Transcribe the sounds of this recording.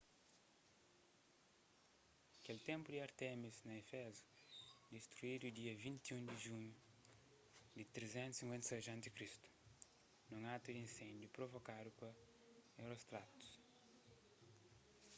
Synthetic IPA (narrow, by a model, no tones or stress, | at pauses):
ɐkelt̪ẽmpud̪iɐɾt̪ɛmiznɐefɛzu̥d̪ist̪ɾuid̪ud̪iɐvĩnt̪iũŋd̪iʒũɲu | d̪it̪ɾezẽnt̪sĩŋkwẽnt̪seʒɐ̃nt̪ikɾist̪u̥ | nũŋat̪ud̪iĩnsẽnd̪jupɾovokad̪upɐ | ewɾost̪ɾat̪u̥s